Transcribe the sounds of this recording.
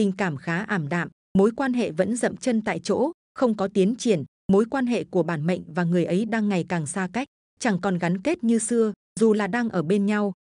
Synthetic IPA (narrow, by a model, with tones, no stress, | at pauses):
ï˨˩ŋ̟kaː˧˩mxaː˨˦ʔaː˧˩mɗa̰ː˧˨m | mo˨˦jkwaː˧nɦḛ˧˨və̰˧˥nzə̰˧˨mt͡ɕə˧nt̪a̰ː˧˨jt͡ɕo̰˧˥ | xə˧wŋ͡mkɔ˨˦t̪i˨˦ənt͡ɕi˧˩ən | mo˨˦jkwaː˧nɦḛ˧˨ku˧˩əɓaː˧˩nmə̰˧˨jŋ̟vaː˨˩ŋɨ˨˩əjʔə˨˦jɗaː˧ŋːa˨˩jkaː˨˩ŋsaː˧ka˦˥jk̟̚ | t͡ɕa˧˩ŋkɔ˨˩nɣa˨˦nke˦˥t̚ɲɨ˧sɨ˧ə | zu˨˩laː˨˩ɗaː˧ŋʔəː˧˩ɓe˧nɲa˧w